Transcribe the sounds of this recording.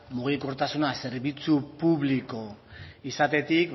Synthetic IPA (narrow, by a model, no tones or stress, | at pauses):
muɣ̞iko̞ɾt̪asunase̞ɾβit͡supuβliko̞isat̪e̞t̪ik